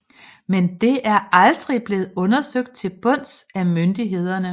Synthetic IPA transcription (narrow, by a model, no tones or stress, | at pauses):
mend̥e̝æɐʔɑ̈ld̥ʁib̥le̝ːð̩ˠɔ̽nɐsøɡ̥̚d̥̚t͡sʰe̝b̥ɔ̽n̰sæmønd̥iɦe̝ð̞̰ˠɐnə